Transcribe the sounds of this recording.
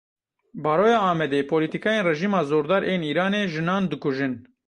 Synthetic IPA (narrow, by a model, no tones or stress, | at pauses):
bɑːɾoːjɑːɑːmɛd̪eːpʰoːliːt̪ikɑːjeːnrɛʒiːmɑːzoːɾd̪ɑːɾʔeːniːɾɑːneːʒɨnɑːnd̪ɨkʊʒɨn